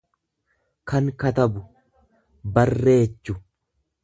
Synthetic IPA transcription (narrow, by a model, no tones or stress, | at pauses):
kɐŋkɐt̪ɐbʊ | bɐrːe̞ːt͡ʃːʊ